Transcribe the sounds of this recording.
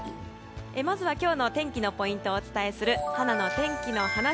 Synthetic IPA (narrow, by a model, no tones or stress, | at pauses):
emazɨβakʲo̞ːno̞t̪ẽ̞ŋkʲino̞po̞ĩnt̪o̞ːt͡sɨ̥t̪ae̞sɨɾɯ̟hanano̞t̪ẽ̞ŋkʲino̞hana